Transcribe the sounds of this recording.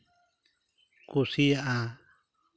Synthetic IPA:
kusijaʔa

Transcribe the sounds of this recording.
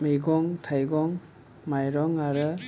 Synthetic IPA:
miɡɔŋtʰajɡɔŋ | majɾɔŋaɾɯ

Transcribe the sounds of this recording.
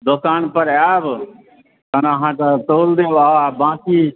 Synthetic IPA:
d̪ʊkaːnpəɾaːb | kənɦãːket̪oːld̪eːʋaːabãːkiː

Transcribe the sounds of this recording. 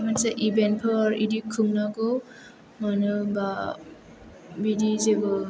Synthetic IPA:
mansaʔibent̚pʰɔɾidikʰːɯmnaɡɯw | manɯba | bidizeɡɯ

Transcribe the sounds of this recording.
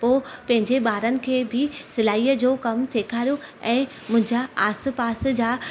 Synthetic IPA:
poːpɐ̃ɦɪ̃ɲd͡ʑeɓaːɾənɪ̆kʰeːbɪsɪlaːiːəd͡ʑoːkɐmseːkʰaːɾijoɛ̃ː | mʊ̃ɦɪ̃ɲd͡ʑaaːs̆paːs̆d͡ʑaː

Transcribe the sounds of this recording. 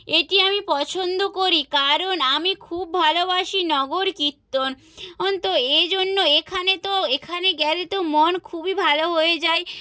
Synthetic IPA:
eʈiamipɔt͡ɕʰond̪okoɾikaɾonamikʰub̚bʱalobaʃinɔɡoɾkit̪ːon | ɔnt̪oed͡ʑonːoekʰanet̪oekʰaneɡɛlet̪omonkʰubibʱaloɦoed͡ʑae

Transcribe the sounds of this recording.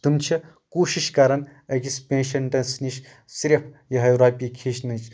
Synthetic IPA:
t̪umt͡ʃʰi | kuːʃiʃkaɾɐnɐkispʲẽːnʃɐnʈɐsniʃ | siɾɐpʰjɐɦɐjɾaːpʲikʰiːʃnɐt͡ʃʰ

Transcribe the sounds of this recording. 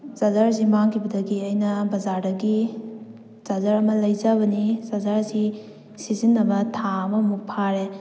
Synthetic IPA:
zazaɾz̬imaŋkʰibɐdɐɡiɐjnɐbɐzaɾdɐɡi | zazaɾɐmɐlɐjzabɐnizazaɾzi | sizinːɐbɐtʰaɐmɐmuk̚pʰaɾe

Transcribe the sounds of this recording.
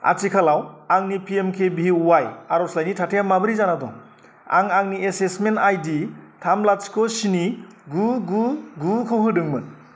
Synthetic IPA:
a̰t͡ʃikʰalawaŋnipʰiemkʰebiwajaɾɔslajnitʰatʰejamabɯɾizanadɔ̰ | a̰ŋaŋniesesmentajditʰamlat͡ʃkʰɔsiniɡuɡuɡukʰɯɦɯdɯŋmɯ

